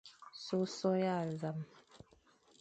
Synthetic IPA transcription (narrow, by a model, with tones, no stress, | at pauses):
so˦sɔ˦ja˦˨za˨m